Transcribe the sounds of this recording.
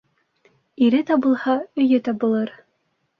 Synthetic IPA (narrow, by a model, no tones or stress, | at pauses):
iɾɘt̪ɑbɤ̆lˠhɑɵ̆jɘt̪ɑbɤ̆lˠɤɾ